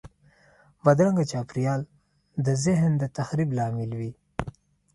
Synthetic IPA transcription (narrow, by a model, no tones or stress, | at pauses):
bad̪ɾaŋɡat͡ʃɑːpɾijɑːl | d̪əzɪɦnd̪ət̪axɾiblɑːmɪlwi